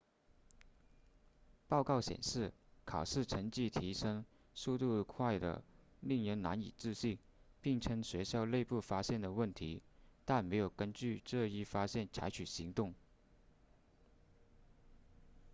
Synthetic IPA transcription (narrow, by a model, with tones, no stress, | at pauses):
pɑ˥˧ʊkɑ˥˩ʊɕjɛ̰˨˩nʂɻ̩˥˩kʰɑ˨˩ʊʂɻ̩˥˩ʈ͡ʂʰə˧˥ŋt͡ɕi˥˩t̪ʰi˧˥ʂɤ˥ŋ | su˥˧t̪u˥˧kʰwa˥˩ɪd̪ə̰˩ | li˥˩ŋɻə˧˥nna̰˧˥nḭ˨˩t͡sɹ̩˥˧ɕi˥˩ŋ | pi˥˩ŋʈ͡ʂʰə˥ŋɕɥɛ˧˥ɕjɑ˥˧ʊle˥˧ɪpu˥˩fa˥ɕjɛ˥˩nd̪ə˩wə˥˩nt̪ʰi˧˥t̪a˥˩nme˧˥ɪjo˨˩ʊkə˥nt͡ɕy˥˧ʈ͡ʂɤ˥˧i˥˩fa˥ɕjɛ˥˩nt͡sʰa˧˥ɪt͡ɕʰy˨˩ɕi˧˥ŋt̪ʊ˥˩ŋ